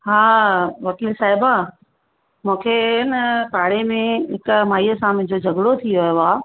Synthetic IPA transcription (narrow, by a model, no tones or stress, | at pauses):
ɦaːʋɐkilsaːɪba | mũːkʰenəpaːɽemẽɦɪkmaːiəsãmɪ̃d͡ʑod͡ʑʱɐɡɽot̪ʰijoeʋaː